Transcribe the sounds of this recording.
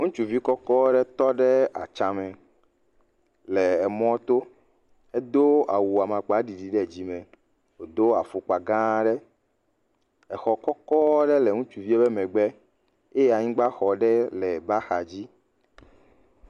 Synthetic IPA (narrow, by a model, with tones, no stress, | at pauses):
ŋũ˦t͡ʃu˨vi˦kɔ˦kɔ˦ɖɛ˦t̪ɔ˦ɖɛ˦a̰˨t͡ʃã˨mɛ̃˨ | le˨ɛ˨mɔ̃˦t̪o˦ | ɛ˦d̪o˦a˨wu˨a˨mã˨k͡pa˨˦ɖi˨ɖi˨ɖɛ˦˨d͡ʑi˦mɛ̃˨ | wo˨d̪o˦a˨fo˨k͡pa˨ɡã˦ɖɛ˦ | ɛ˨xɔ˨kɔ˦kɔ˦ɖɛ˦lɛ˨ŋũ˦t͡ʃu˨vi˦ɛ˦bɛ˦mɛ̃˨ɡ͡bɛ˦ | e˦ja˨ɲĩ˦ɡ͡ba˦xɔ˨ɖɛ˦lɛ˨ba˦xa˨d͡ʑi˦